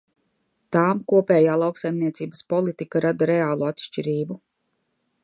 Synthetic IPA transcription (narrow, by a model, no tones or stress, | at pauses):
t̪aːmkuɔpɛːjaːlˠawksajmniɛt̪siːbɐspɔlˠit̪ikaɾad̪aɾɛaːlˠuat̪ʃt͡ʃiɾiːbu